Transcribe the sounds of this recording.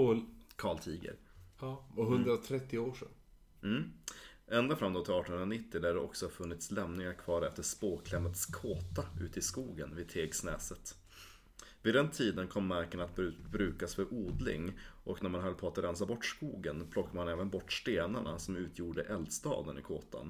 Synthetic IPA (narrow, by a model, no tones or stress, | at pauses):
kʰɑːɭt̪ʰiːɡə̰ɾ | aɦɵnd̪ɾat̪ʰɾɛt̪ːɪoːʂɛ̰n | m̩ː | ɛnd̪afɾamd̪ɔt̪ʰɪlɑːʈɔnɵnɾanɪt̪ːɪd̪æɖɛɔ̰ksɔfɵnːɪt̪slɛmnɪŋaɾkʰvɑːɾɛft̪əʂpoːkʰlɛmːət̪skʰoːt̪aʉ̟̰ːt̪əɪskuːɡənvɪd̪̚t̪ʰeːɡsnɛːsət̪ | vɪd̪ɛnt̪ʰiːd̪ənkʰɔmːæɾkəɳat̪̚bbɾʉ̟ːkasfœɾʔuːd̪lɪ̰ŋʔɔknæɾmanɦœlːpʰɔat̪ɾɛnsabɔʈːskuːɡənpʰlɔkːamanɛːvənbɔʈːʂt̪eːnaɳasɔmʉ̟ːt̪ʰjuːɖəʔɛld̪st̪ɑ̰ːd̪ənɪ̰kʰo̰ːt̪ʰa̰n